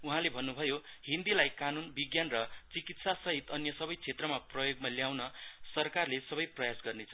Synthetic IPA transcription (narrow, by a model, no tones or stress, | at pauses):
uɦãlebʱʌnːubʱʌjohĩnd̪ilajkanunbiɡjanrʌt͡sikit̪sasʌɦit̪ʌnjʌsʌbʌjt͡sʰet̪rʌmaprʌjoɡmaljawnʌsʌrkarlesʌbʌjprʌjasɡʌrnet͡sʰʌ